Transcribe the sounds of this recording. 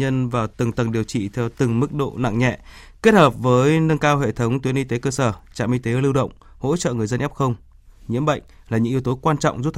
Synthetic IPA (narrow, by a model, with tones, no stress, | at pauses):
ə˧nvaː˨˩wt̪ɨ˨˩ŋt̪ə˨˩ŋɗi˨˩əwt͡ɕḭ˧˨t̪ʰɛ˧wt̪ɨ˨˩ŋmɨ˦˥k̚ɗo̰˧˨na̰˧˨ŋɲɛ̰˧˨ | ke˦˥t̚həː˨˩p̚vəː˨˦jnə˧ŋkaː˧wɦḛ˧˨t̪ʰə˨˦wŋ͡mt̪wi˨˦ənʔi˧t̪e˨˦kəː˧səː˧˩t͡ɕa̰ː˧˨mʔi˧t̪e˨˦˧lɨ˧wɗə̰˧˨wŋ͡m | ho̰˧˥t͡ɕə̰ː˧˨ŋɨ˨˩əjzə˧nʔp̚xə˧wŋ͡m | ɲḭ˧˥əmɓə̰˧˨jŋ̟ | laː˨˩ɲɨ̰˧˥ŋi˨˦əwt̪o˨˦kwaː˧nt͡ɕɔ̰˧˨wŋ͡mzu˦˥t̚t̪ʰ